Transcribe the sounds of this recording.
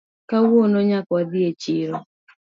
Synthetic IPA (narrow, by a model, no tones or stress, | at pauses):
kawonɔɲakwad̪ɪet͡ʃɪɾɔ